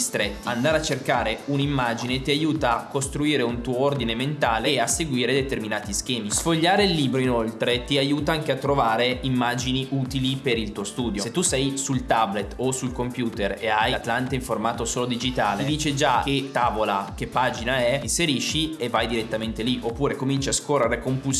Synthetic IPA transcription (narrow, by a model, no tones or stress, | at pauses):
st̪ɾet̪ːand̪aːɾeat͡ʃːerkaːɾeunimːaːd͡ʒinet̪iajuːt̪aːkːost̪ɾuiːɾeunt̪uːoord̪inement̪aːleasːeɡwiːɾed̪et̪erminaːt̪isk̟ɛːmisfoʎːaːɾeilːiːbɾoinolt̪ɾet̪iajuːt̪aaŋk̟eat̪ːɾovaːɾeimːad͡ʒiniuːt̪ilipeɾilt̪uːost̪uːd̪joset̪ːusɛjsult̪ablet̪ːosulkompjuːt̪ereajat̪lant̪aiɱformaːt̪osoːlod̪id͡ʒit̪aːleid̪iːt͡ʃed͡ʒaket̪ːaːvolak̟epːaːd͡ʒinaɛinseɾiʃːievːajd̪iɾet̪ːament̪eliʔopːuːɾekomint͡ʃiaskorːeɾekompuls